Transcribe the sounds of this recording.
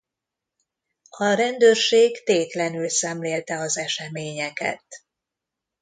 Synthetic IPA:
ɒɾɛnd̪øːrʃeːɡt̪eːt̪lɛnylsɛmleːlt̪ɛɒzɛʃɛmeːɲɛkɛ̰t̪

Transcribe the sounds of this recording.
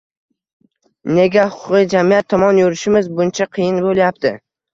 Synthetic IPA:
ne̞ɡʲahʊqʰʊqijd͡ʒamijat̪ʰːɒmɒnjoɾɪʃɪmɪzbʊnt͡ʃʰaqʰɨjɪnbolˠjap̚t̪ʰɪ

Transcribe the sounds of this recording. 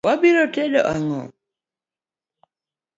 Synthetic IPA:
wabiɾɔtɛdɔ̰ʔaŋɔ̰

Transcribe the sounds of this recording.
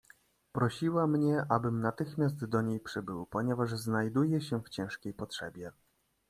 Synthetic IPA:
pɾɔɕiwamɲɛʔabɘmnat̪ɘxmʲjast̪d̪ɔɲejpʂɘbɘwpɔɲɛvaʐznajd̪ujɛɕɛft͡ɕɛ̃w̃ʂkʲejpɔtʂɛ̰bʲjɛ

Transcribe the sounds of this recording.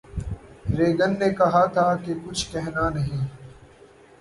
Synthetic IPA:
ɾeːɡənːeːkɐɦat̪ʰaːkekʊt͡ʃʰkɛɦnaːnɐɦĩː

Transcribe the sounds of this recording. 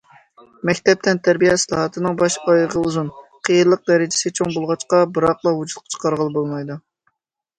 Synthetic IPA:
mɛkʲt̪ɛp̚t̪ʰɛnt̪ʰæɾbijɛsɨlˠɑhɑt̪ʰɨnɨŋbɑʃɑjʁəuzunqʰijɨɾlˠəq̚d̪ɛɾɪd͡ʒɪ̥sɪt͡ʃʰoŋbolˠʁɑt͡ʃqɑbɨɾɑqlˠɑɦud͡ʒut̪̚qʰɑ̥t͡ʃʰə̥qʰɑɾʁəlˠɨbolˠmɑjd̪u

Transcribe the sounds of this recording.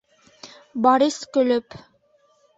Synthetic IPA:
bɑɾiskɵ̆lɵp

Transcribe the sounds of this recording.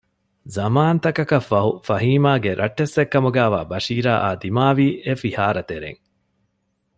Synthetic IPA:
zɐmaːnt̪ɐkɐkɐfːɐɦufɐɦiːmaːɡeɾʔɐʈːesːekːɐmuɡæːʋa̰ːbɐʃiːɾaːʔaːd̪imaːʋiːʔefihaːɾɐt̪eɾḛŋ

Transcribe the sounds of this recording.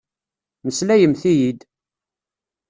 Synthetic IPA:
məslæjəmθijid̪

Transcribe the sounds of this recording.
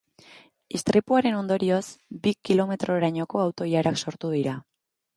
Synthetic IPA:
ist̪ɾipuaɾe̞no̞nd̪o̞ɾio̞sbikilo̞me̞t̪ɾo̞eɾaɲo̞ko̞awt̪o̞jaɾakso̞ɾt̪uðiɾa

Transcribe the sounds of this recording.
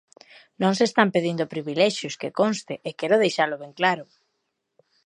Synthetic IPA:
nõŋsest̪ampeðind̪ʊpɾiβilɛʃjʊskekonst̪ɪʔekɛɾʊðejʃalʊβeŋklaɾʊ

